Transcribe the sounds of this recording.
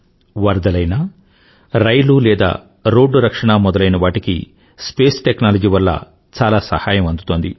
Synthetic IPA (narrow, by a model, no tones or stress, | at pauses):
ʋɐɾd̪ɐlɐjna | ɾɐjlulɛːd̪a̰ː | ɾo̞ːɖːuɾɐkʂɐɳamɔd̪ɐlɐjnɐʋaːʈikḭ | speːsʈeknaːlɐd͡ʒiːʋɐlːɐ̰ | t͡ʃaːlaːsɐ̰haːjɐmɐnd̪ut̪o̞ːnd̪ḭ